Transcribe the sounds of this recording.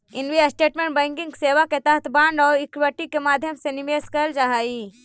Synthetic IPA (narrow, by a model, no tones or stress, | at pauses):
ɪnʋiasʈeːʈmẽɳʈ̚bə̃ːŋkĩŋkseːʋaket̪ɐɦət̪ʰbãːɳɖɔːɾikʋəʈːikemaːd̪ʱjəmsenimeːskəld͡ʒaɦaːi